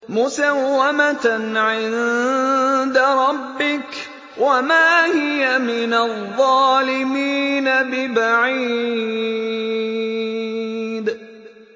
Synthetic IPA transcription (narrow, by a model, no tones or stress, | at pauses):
mʊsawːamat̪anʕɪn | d̪aɾˤɑbːɪk | wʔamaːhɪjamɪnaðˤːɑːlɪmiːnabɪbaʕiː | d̪